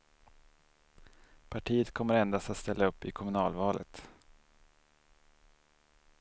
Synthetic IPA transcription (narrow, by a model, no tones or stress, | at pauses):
pʰaʈʰiːət̪kʰɔmːəɾɛnd̪ast̪at̪st̪ɛlːaɵpːɪkʰɔmɵnɑːlvɑːlʔə̰t̪